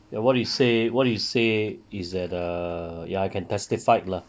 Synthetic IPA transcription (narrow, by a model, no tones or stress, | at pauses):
jawɔt̚dujusewɔt̚dujuseisdɛtʌjaaɪkʰɛ̃ntʰɛstifaɪt̚la